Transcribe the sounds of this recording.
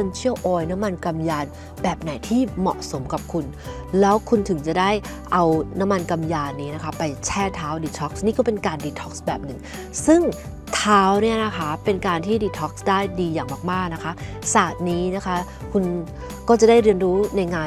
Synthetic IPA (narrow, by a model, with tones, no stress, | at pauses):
ə˧nt͡ɕʰi˥˩əwʔɔː˧jna˦˥mːa˧nka˧mjaː˧n | bɛː˨˩p̚na˨˩˦jt̪ʰiː˥˩mɔ̰˨˩ʔso˩˦mka˨˩p̚kʰu˧n | lɛː˦˥wkʰu˧nt̪ʰɯ˨˩˦ŋt͡ɕa˨˩da˥˩j | ʔa˧wna˦˥mːa˧nka˧mjaː˧nːiː˦˥na˦˥kʰa˦˥pa˧jt͡ɕʰɛː˥˩t̪ʰaː˦˥wdiː˧t̪ʰɔ˦˥k̚sniː˥˩kɔː˥˩pe˧nkaː˧ndiː˧t̪ʰɔ̥˦˥k̚sbɛː˨˩p̚nɯ˨˩ŋ | sɯ˥˩ŋ | t̪ʰaː˦˥wni˥˩ɐna˦˥kʰa˦˥pe˧nkaː˧nt̪ʰiː˥˩diː˧t̪ʰɔː˦˥k̚sdaː˥˩jdiː˧jaː˨˩ŋmaː˨˩k̚maː˥˩k̚na˦˥kʰa˦˥ | saː˨˩t̪̚niː˦˥na˦˥kʰa˦˥kʰu˧n | kɔː˥˩t͡ɕa˨˩daː˥˩jɾɯ˧ənɾuː˦˥na˧jŋaː˧